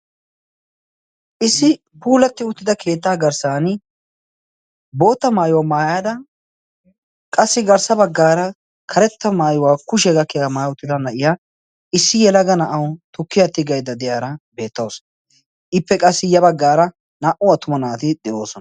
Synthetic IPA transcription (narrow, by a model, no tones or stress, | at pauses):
ʔɪsːɪ | puːlɐt̪ːɪʊt̪ːɪd̪ɐkʰe̞ːt̪ːaːɡɐɾsaːn | bo̞ːt̪ːɐmaːjʊwaːmaːjaːd̪ɐ | kʼɐsːɪɡɐɾsɐbɐɡːaːɾɐ | kʰɐɾɛt̪ːɐmaːjʊwaːkʊʃɛɡɐkːɛjamaːjʊt̪ːɪd̪ɐnɐʔɪja | ɪsːɪjɛlɐɡɐnɐʔɐwt̪ʊkːɪjɐt̪ːɪɡɐjd̪ɐd̪ɛjaːɾɐbe̞ːt̪ːɐsɔ̥ | ʔɪpːɛkʼɐsːɪjɐbɐɡːaːɾɐ | naʔʊɐt̪ːʊmɐnaːt̪ɪd̪ɛʔo̞ːsɔnɐ